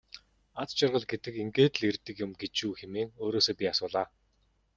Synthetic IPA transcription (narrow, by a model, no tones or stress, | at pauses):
at͡st͡ɕʊrʁə̆ɮɡet̪ɘ̆keŋɡeːt̪ɮert̪ɘ̆kjʊ̆mɡet͡ɕuːxemeːŋoːɾoːsoːpʲiasʊːɮaː